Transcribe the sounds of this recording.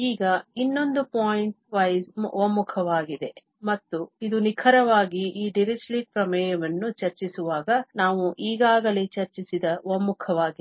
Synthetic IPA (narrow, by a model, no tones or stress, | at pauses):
iːɡɐinːo̞nd̪upaːjiɳʈ̚ʋɐjzmʋomːukʰɐʋaːɡid̪e̞ | mɐt̪ːuid̪unikʰɐɾɐʋaːɡiʔiːɖiɾid͡ʒliːʈ̚pɾɐmɛːjɐʋɐnːut͡ʃɐɾt͡ʃisuʋaːɡɐnaːʋuʔiːɡaːɡɐleːt͡ʃɐɾt͡ʃisid̪ɐʋomːukʰɐʋaːɡi